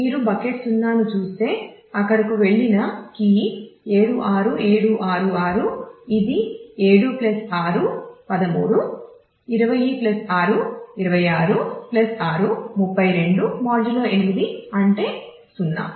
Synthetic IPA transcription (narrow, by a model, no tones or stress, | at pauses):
miːɾubɐkeʈsunːaːnut͡ʃuːst̪e̞ː | ɐkːɐɽɐkuʋe̞ɭːinɐkiːeːɽuʔaːɾue̞ːɽuʔaːɾuaːɾuid̪ieːɽuplɐsaːɾupɐd̪ɐmuːɽu | iɾɐʋɐjiːplɐsaːɾuiɾɐʋɐjaːɾuplɐsaːɾumupːɐjɾe̞ɳɖumaːɾd͡ʒiloːʔenimid̪iɐɳʈe̞ː | sunːa̰ː